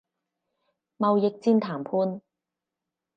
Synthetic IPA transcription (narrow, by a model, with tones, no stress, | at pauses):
mɐ˨wjɪ˨k̚t͡siː˥nt̪ʰaː˨˩mpʰuː˧n